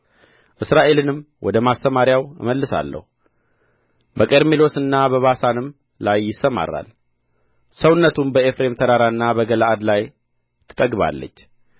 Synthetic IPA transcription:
ʔɨsɾaʔe̞lɨnɨmː | wɔd̪əmast̪əmaɾjawɨməlːɨsa̰lːə̰hu | bəkʼeɾmilo̞sɨnːabəβasanɨm | lajːɪsːəma̰ɾa̰l | səwnːət̪ʰumbəe̞fɾe̞mt̪ʰəɾaɾaɨnːabəɡəlaʔad̪laj | t̪ʰɨ̥t̪ʼəɡβa̰lːə̰t͡ʃː

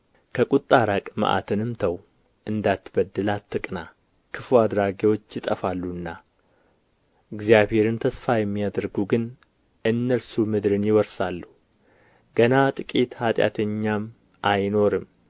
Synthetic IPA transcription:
kʰəkʼut̪ʼːaɾakʼma̰ʔa̰t̪ʰɨnɨmt̪ʰəw | ʔɨnd̪at̪ːbəd̪ːɨlat̪ːɨkʼna | kʰɨfuad̪ɾaɡewo̞t͡ʃːjɪt̪ʼəfalːuɨnːa | ɨɡzijabhe̞ɾɨnt̪ʰəsfajɛmːijad̪əɾɡuɡɨn | ʔɨnːəlsumɨd̪ɾɨnjɪwɔɾsalːuu | ɡ̥ənat̪ʼɨkʼit̪hat̪ʼja̰t̪ʰəɲːam | ʔajno̞ɾɨm

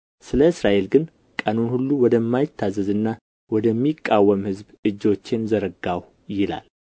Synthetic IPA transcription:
sɨləɨsɾaʔe̞lɡɨn | kʼanonhulːuwɔd̪əmːajɪt̪ʰːazəzɨnːa | wɔd̪əmːikʼːawːəmhɨzbɨd͡ʒːo̞t͡ʃːɪnzəɾəɡaw | jɪla̰l

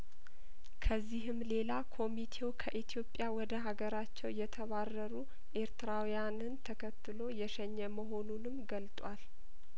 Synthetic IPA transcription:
kʰəzːiɦɨmle̞lakʰo̞mit̪ʰe̞wkʰəʔit̪ʰijo̞pʼjawɔd̪əɦaɡəɾat͡ʃːɛwjɛt̪ʰəβarːəɾu | ʔe̞ɾt̪ʰɨɾawijanɨnt̪ʰəkʰət̪ʰːɨlo̞jɛʃɛɲːəməɦo̞nunɨmɡəlt̪ʼwal

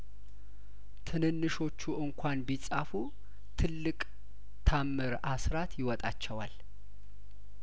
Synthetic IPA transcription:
t̪ʰɨnɨnːɨʃo̞t͡ʃːuʔɨŋkʷʰanbisʼafu | t̪ʰɨlːɨkʼ | t̪ʰamːɨɾasɾat̪jɪwɔt̪ʼat͡ʃːɛwal

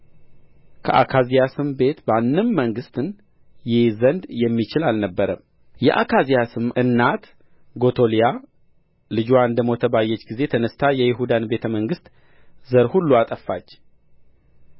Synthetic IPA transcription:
kʰə̰ʔa̰kʰazijasɨmbe̞t̪banːɨmməŋɡɨst̪ɨn | jɪhzənd̪jɛmːit͡ʃɪlalnəbːəɾəm | jɛ̰ʔa̰kʰazijasɨmɨnːat̪ | ɡo̞t̪ʰo̞lija | lɨd͡ʒoaɨnd̪əmo̞t̪ʰəbajːɛt͡ʃːɡize̞t̪ʰənəst̪ʰajɛjɪɦud̪anbe̞t̪ʰəməŋɡɨst̪ | zəɾhulːuat̪ʼəfːat͡ʃː

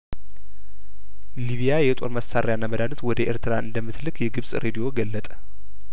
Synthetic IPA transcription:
liβijajɛt̪ʼo̞̰ɾməsaɾʔejanːaməd̪anɨt̪wɔd̪əʔeɾt̪ʰɨɾaʔɨnd̪əmːɨt̪lɨkjɛɡɨβsʼɾʔed̪ijo̞ɡəlːət̪ʼə̥

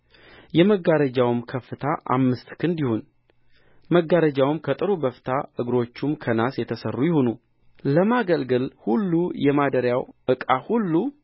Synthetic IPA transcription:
jɛməɡaɾəd͡ʒawmkʰəfːɨt̪ʰaʔa̰mːɨst̪kʰɨnd̪ihon | məɡːaɾəd͡ʒawmkʰət̪ʼɨɾubəft̪ʰaʔɨɡɾo̞t͡ʃːumkʰənasjɛt̪ʰəsərːujɪhonu | ləmaɡəlɡɨlhulːujɛmad̪əɾjawʔɨkʼahulːu

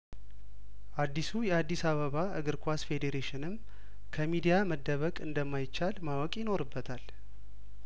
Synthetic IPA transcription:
ʔad̪ːisujɛad̪ːisaβəβaɨɡɨɾkʰʷasfe̞d̪eɾeʃɪnɨm | kʰəmid̪ijaməd̪ːəβəkʼɨnd̪əmːajɪt͡ʃːalmawɔkʼjɪno̞ɾɨbːət̪ʰal

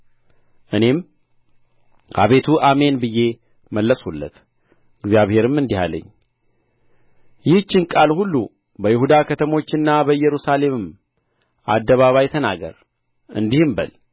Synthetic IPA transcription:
ʔɨne̞m | ʔa̰βe̞t̪ʰuʔame̞nbɨjːe̞ | məlːəshulːə̰t̪ | ɨɡzijaβhe̞ɾɨmɨnd̪iha̰lːə̰ɲː | jɪht͡ʃːɪnkʼalhulːu | bəjɪhud̪akʰət̪ʰəmo̞t͡ʃːɨnːabəjɛɾusale̞mɨm | ʔa̰d̪ːəβaβajt̪ʰəna̰ɡə̰ɾ | ɨ̰nd̪ihɨmbə̰l

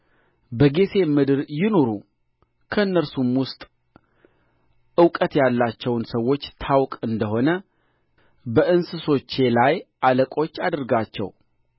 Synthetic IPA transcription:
bəɡe̞sʰe̞mɨd̪ɨɾjɪno̞ɾu | kʰəɨnːəɾsumwʊst̪ʼ | ʔɨwkʼət̪jalːat͡ʃːɛwnsəwːo̞t͡ʃːt̪ʰawkʼɨnd̪əɦo̞nə | bəʔɨnsɨso̞t͡ʃːe̞lajʔaləkʼo̞t͡ʃːad̪ɨɾɡat͡ʃːɛ̰w

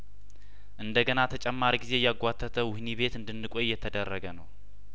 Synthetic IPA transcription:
ʔɨnd̪əɡənat̪ʰət͡ʃʼɛmːaɾiɡize̞jaɡʷat̪ʰːət̪ʰəwʊhniβe̞t̪ɨnd̪ɨnːɨkʼojːɛt̪ʰəd̪ərːəɡənəw

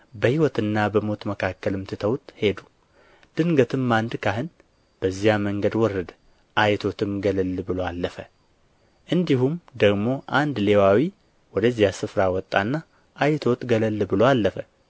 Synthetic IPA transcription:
bəhiwɔt̪ɨnːabəmo̞t̪məkʰakːəlɨmt̪ʰɨt̪ʰəwt̪he̞d̪u̥ | d̪̥ɨŋɡət̪ʰɨmːand̪kʰaɦɨn | b̥əzːijaməŋɡəd̪wɔrːəd̪ | ʔajt̪ʰo̞t̪ʰɨmɡələlːbɨlo̞alːəfə | ʔɨnd̪iɦumd̪əɡmo̞ʔand̪le̞wawi | wɔd̪əzːijasɨfɾawɔt̪ʼːanːa | ʔajt̪ʰo̞t̪ɡələlːbɨloalːəfə

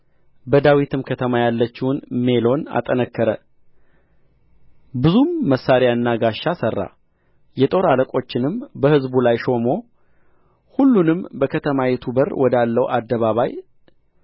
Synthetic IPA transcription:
bəd̪awit̪ʰɨmkʰət̪ʰəmajalːət͡ʃːɪwunme̞lo̞na̰t̪ʼənəkːəɾə | bɨzumːəsːaɾjaɨnːaɡaʃːasərːa̰ | jɛt̪ʼo̞ɾaləkʼo̞t͡ʃːɪnɨmbəhɨzbulajʃo̞mo̞ | hulːunɨmbəkʰət̪ʰəmajɛt̪ʰubərwʔɔd̪alːəwʔad̪ːəβaβaj

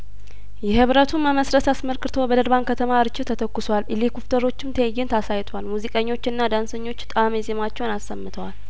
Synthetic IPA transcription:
jɛhɨβɾət̪ʰunːaməsɾət̪asməlkɨt̪ʰo̞bəd̪əɾβankʰət̪ʰəmaɾɨt͡ʃːɪt̪ʰːət̪ʰəkːʊswalɨlikuft̪ʰʼəɾo̞t͡ʃːɪmt̪ʰəjjːɪnt̪ʰasajt̪ʰoalmuzikʼəɲːo̞t͡ʃːɨnːad̪ansəɲːo̞t͡ʃːt̪ʼamjɛzemat͡ʃːɛwnasːəmːɨt̪ʰəwal

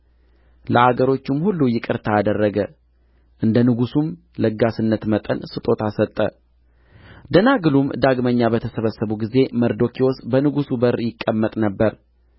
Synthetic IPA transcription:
ləhaɡəɾo̞t͡ʃːumhulːujɪkʼɨɾt̪ʰaad̪ərːəɡə | ʔɨnd̪ənɨɡusum | ləɡːasɨnːət̪mət̪ʼənsɨt̪ʼo̞t̪ʰasət̪ʼːə̰ | d̪ənaɡɨlumd̪aɡməɲːabət̪ʰəsəβəsːəβuɡize̞məɾd̪o̞kʰiwosbənɨɡusubəɾjɪkʼːəmːət̪ʼnəbːəɾ

